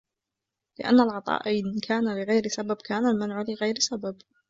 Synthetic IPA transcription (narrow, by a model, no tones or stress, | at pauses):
lɪʔa̰nːalʕɑt̪ˤɑ̰ːʔajnkʰaːnalɪɣajɾɪsababkʰaːnalmanʕlɪɣajɾsabab